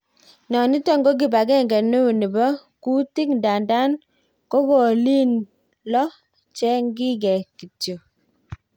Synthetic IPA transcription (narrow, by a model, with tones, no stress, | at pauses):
nɔ˨ni˦to˦ŋɡo˦k̬i˨ba˨kɛ˦˨ŋɡɛ˨nu˦u˨ni˨bɔ˦ku˦ti˦knda˨nda˦n | ko˦ko˨li˦n | lɔ˦ | t͡ʃɛ˦ŋɡɪ˦kɛ˨ki˨tjo˨